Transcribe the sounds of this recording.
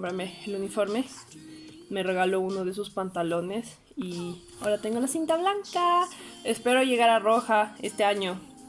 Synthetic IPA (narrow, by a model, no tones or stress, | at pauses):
mbɾameːlunifo̞ɾme̞ | me̞re̞ɣalo̞unoð̞es̬uspant̪alo̞ne̞s | i | aoɾat̪e̞ŋɡo̞lasint̪aβlaŋkaespe̞ɾoʝe̞ɣaɾaro̞xae̞st̪e̞aɲo̞